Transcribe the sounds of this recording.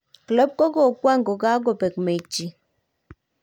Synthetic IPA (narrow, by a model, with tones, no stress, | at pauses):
klɔ˦p̚kɔ˦ɡɔ˨kwa˦˨ŋɡɔ˨ɡa˦ɡɔ˨pɛ˨kme˨t͡ʃi˨